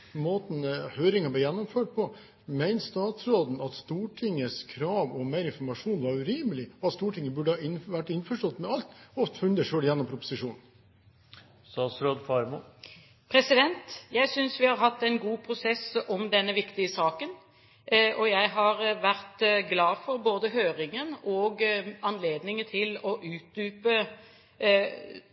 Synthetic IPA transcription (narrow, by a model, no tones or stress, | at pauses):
moːt̪n̩høːɾɪŋɑblɛɪjɛnːɔmføːʈ̚pʰɔ | mæɪnst̪ɑːt̪sɾoːd̪n̩ɑt̪st̪uːʈʰɪŋːəskʰɾɑːʋɔmæɪɾɪnfɔɾmɑʂuːnʋɑɾʉɾiːməlɪɔɑt̪st̪uːʈʰɪŋːəbʉɖəhɑɪnʋæʈːɪnfɔʂʈɔt̪ːmɛɑlt̪ɔft̪fʉnd̪əʂøːljɛnːɔmpʰɾʊpʊ̥sɪʂuːnn | st̪ɑːt̪sɾoːd̪fɑɾmʊ | pʰɾɛsɪd̪ɛnt̪jæɪsʏnsʋɪhɑɾɦɑt̪ːɛɪnɡuːpʰɾʊsɛsɔmd̪ɛnːəʋɪkt̪ɪəsɑːkən | ʔɔjæɪɦɑɾʋæɾt̪ɡlɑːfɔɾboːd̪əɦøːɾɪŋənɔɡɑnleːd̪nɪŋət̪ʰɪlɔʔʉːt̪̚d̪yːpə